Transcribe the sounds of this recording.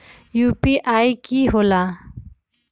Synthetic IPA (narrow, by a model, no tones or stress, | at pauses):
jupiʔajkiɦola